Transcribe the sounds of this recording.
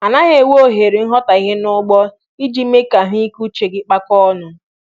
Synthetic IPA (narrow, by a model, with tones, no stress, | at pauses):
a˨na˦ɦe˨wo˦˨ɦe˨ɾi˨n̩˦ɦɔ˦ta˨i˦ɦe˦nʊ˦ɡ͡bɔ˦ | i˦d͡ʒi˦me˦ka˨ɦi˦ku˦t͡ʃe˨ɡɪ˦k͡pa˦kɔ˦nʊ˦